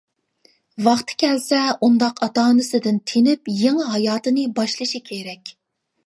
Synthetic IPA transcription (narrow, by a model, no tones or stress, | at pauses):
vɑχt̪ʰkʲʰɛlsɛund̪ɑqʰɑt̪ɑːnɨsɨd̪ɪnt̪ʰenɪpjeŋɨɦɑjɑːt̪ɨnɨbɑʃlˠɨʃikʲʰeɾɛkʲ